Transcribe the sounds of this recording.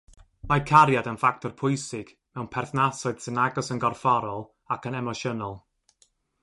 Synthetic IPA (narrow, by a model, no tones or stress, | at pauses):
makʰaɾjadənfak̚tʰɔrpʰʊjsɪɡ̥ | mɛwnpʰɛrθnasɔɨd̥sɪnaɡɔsənɡɔrfɔɾɔlˠ | akənɛmɔʃənɔlˠ